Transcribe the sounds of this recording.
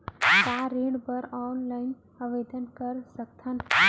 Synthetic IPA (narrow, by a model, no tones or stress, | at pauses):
t̪aɾeːɽɖbəɾɔːnlaːɪn | əʋeːd̪ənkəɾsək̚t̪ʰən